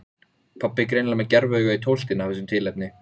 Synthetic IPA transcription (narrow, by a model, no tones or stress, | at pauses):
pʰapːɪkɾejnlamɛcɛɾvœːɣait̪ʰowl̥t̪ɪnafθɛsʏmt̪ʰɪlɛp̚nɪ